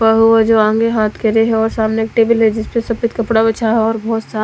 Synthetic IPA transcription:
pɐɦuad͡ʒoːãːŋɡeɦaːt̪ʰkeɾeɦɛɔːɾsaːmneeːk̚ʈeːbəlɦɛd͡ʒɪspesɐpɪt̪kɐpɽabɐt͡ʃʰaɦɛɔːɾbɔːt̪saː

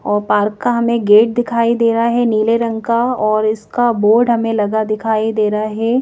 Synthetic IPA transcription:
ɔːɾpaːɾkːaɦɐmẽɡeːʈ̚d̪ɪkʰaːid̪eːɾaɦɛniːleɾɐ̃ŋɡkaɔːɾɪskaboːɾɖɦɐmẽlɐɡad̪ɪkʰaːid̪eːɾaɦɛː

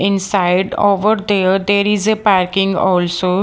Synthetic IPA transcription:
ɪ̃nsaɪɖo̰ːʋəɾd̪eːɾd̪eːɾɪzepaːɾkɪ̃ŋɡɔːlsoː

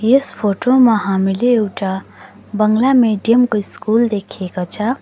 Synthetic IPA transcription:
jespʰoʈomaɦamileːwʈa | bʌŋɡlameɖijəmkoiskuld̪ekʰekot͡sʰʌ

